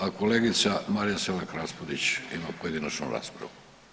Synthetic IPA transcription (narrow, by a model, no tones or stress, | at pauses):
akoleɡit̪samaɾijaselakɾaspod̪it͡ʃimapoje̞d̪inat͡ʃnṵɾa̰ːspɾa̰ʋu